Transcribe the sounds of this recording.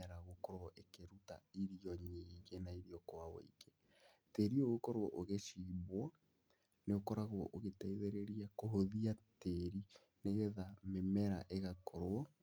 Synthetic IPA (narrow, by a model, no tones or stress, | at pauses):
ɛɾaɣokɔɾwɔʔekeɾuta̰iɾiɔɲiiɣenaiɾiɔkowawḛike | teɾioɣokɔɾoɔ̰ʔoɣeʃiːβwa | neokɔɾaɣwɔ̰ʔoɣetaiðeɾeɾiakoɦoðiateɾi | neɣeðamemɛɾa̰ʔeɣakɔɾoɔ